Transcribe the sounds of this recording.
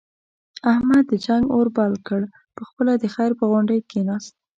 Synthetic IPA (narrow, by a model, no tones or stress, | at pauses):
ahmad̪ːəd͡ʒaŋɡoɾbɑlkəɽ | pəxpəlad̪əxajɾpəɣʊɳɖəjkenɑst̪̚